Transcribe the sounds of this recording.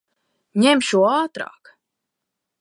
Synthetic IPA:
ɲɛmʃuaːt̪ɾɑ̰ːk

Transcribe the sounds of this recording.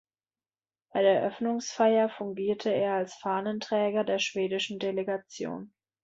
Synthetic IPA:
b̥aɪdeːɐʔœfnʊŋsfaɪɐfʊŋɡiːɐtʰəeːɐalsfaːnəntʁ̥ɛːɡɐdeːɐʃv̥eːdɪʃn̩deleɡat͡sjo̰ːn

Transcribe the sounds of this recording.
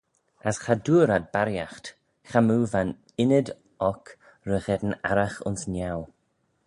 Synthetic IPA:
asxaduːɾad̪̚baɾjaxt | xamuːvan | ɪnəd̪ | ɔk | ɾəɣɛd̪ən̩aɾaxʊ̰nsnjaw

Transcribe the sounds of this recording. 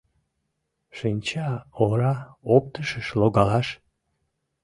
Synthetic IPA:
ʃinʲt͡ɕɑoɾɑop̚t̪əʃəʃloɣɑlɑʃ

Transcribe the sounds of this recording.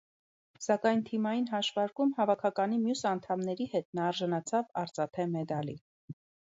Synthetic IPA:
sɑkɑjnt̪ʰimɑjinɦɑʃvɑɾkumhɑvɑkʰɑkɑnimjusɑnt̪ʰɑmnɛɾihɛt̪nɑːɾʒɑnɑt͡sʰɑvɑɾt͡sɑt̪ʰɛmɛd̪ɑlḭ

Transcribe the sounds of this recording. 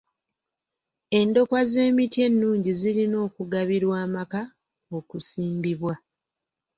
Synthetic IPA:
e̞ndo̞kwaze̞ːmitie̞nːuːɲɟiziɾino̞ːkuɡaβiɾwaːmaka | o̞kusiːmbiβwa

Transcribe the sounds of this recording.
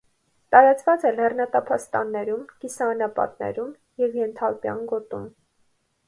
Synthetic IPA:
t̪ɑɾɑt͡svɑt͡sɛlːɛrnɑt̪ɑpʰɑst̪ɑnːɛɾumkisɑnɑpɑ̰t̪̚nɛ̰ɾum | jɛvjɛnt̪ʰɑlpjɑ̰nɡɔt̪ṵm

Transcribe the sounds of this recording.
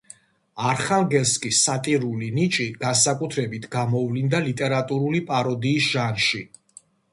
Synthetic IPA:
aɾχalˠɡɛlskʼisːat̪ʼiɾulinit͡ʃʼiɡ̥ansakʼut̪ʰɾɛbit̪ʰɡamɔvlind̪alit̪ʼɛɾat̪ʼuɾulipʼaɾɔd̪iːsʒ̥anʃi

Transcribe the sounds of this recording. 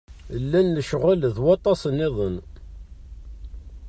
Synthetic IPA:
lːænːəʃʁəlðwɑt̪ˤːɑsənːɪðˤən

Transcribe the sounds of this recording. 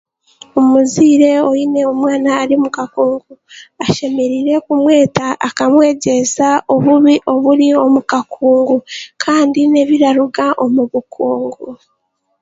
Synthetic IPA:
omuziːɾe̞o̞ine̞o̞mwaːnaːɾimukakuːŋɡuaʃe̞me̞ɾiɾe̞kumwe̞ːtaʔːkamwe̞ːɟe̞zao̞βuβiʔo̞βuɾio̞mukakʰuːŋɡukʰaːndine̞βiɾaɾuɡaʔo̞muβukʰuːŋɡu

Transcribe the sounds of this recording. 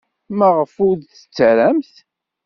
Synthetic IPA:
mæʁəfʊðθə̥t͡sːəɾæmθ

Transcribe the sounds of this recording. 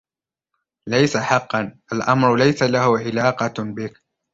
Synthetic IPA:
lajsaħɑqːɑnʔalʔamɾʊlajsalahʊʕɪlɑːqɑbɪk

